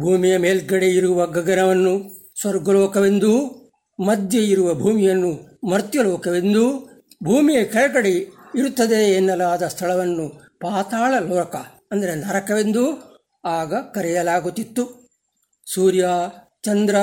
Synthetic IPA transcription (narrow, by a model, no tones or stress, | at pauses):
bʱuːmijɐmeːlɡɐɽeiɾuʋɐɡɐɡɐnɐʋɐnːu | sʋɐɾɡɐlɔːkɐʋend̪u | mɐd̪jeiɾuʋɐbʱuːmijɐnːumɐɾt̪jɐlɔːkɐʋe̞nd̪u | bʱuːmijɐkɐɭɐɡɐɽeiɾut̪ːɐd̪e̞ːnːɐlaːd̪ɐst̪ʰɐɭɐʋɐnːu | paːt̪aːɭɐlɔːkɐ | ɐnd̪ɐɾenɐɾɐkɐʋend̪u | aːɡɐkɐɾɛjɐlaːɡut̪ːit̪ːu | suːɾja | t͡ʃɐnd̪ɾɐ